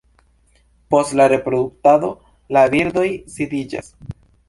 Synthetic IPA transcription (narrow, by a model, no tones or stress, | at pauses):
po̞stlaɾe̞pɾo̞d̪uk̚tado̞ | labiɾd̪o̞jsidid͡ʒa̰s